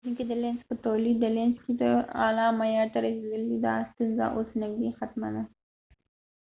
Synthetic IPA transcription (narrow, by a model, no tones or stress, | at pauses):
uŋked̪əlenspət̪olid̪ːəlenskid̪əɑ̰lɑmajɑɾt̪aɾased̪əlid̪ɑ̰st̪unza̰ʔosnawixat̪mad̪a